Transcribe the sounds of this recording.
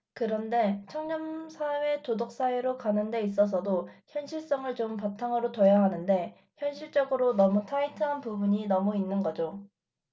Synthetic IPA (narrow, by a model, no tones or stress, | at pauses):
kɯɾʌnde̞t͡ɕʰʌŋɲʌmsʰawe̞todok̚s͈aweɾokanɯnde̞is͈ʌs̬ʰʌdoçjʌnɕʰiɭs͈ʌŋɯɭt͡ɕompatʰaŋɯɾotojaɦanɯnde̞ | çjʌnɕʰiɭt͡ɕ͈ʌɡɯɾonʌmutʰaitʰɯɦanpubuɲinʌmuinːɯnɡʌd͡ʑo